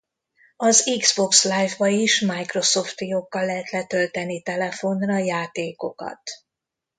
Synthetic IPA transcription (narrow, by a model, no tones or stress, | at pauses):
ɒziɡz̥bo̞kslaːjvbɒiʃmajkro̞so̞ft̪jokːɒlːɛɦɛt̪lɛt̪ølt̪ɛnit̪ɛlɛfo̞nrɒjaːt̪eːko̞kɒ̰t̪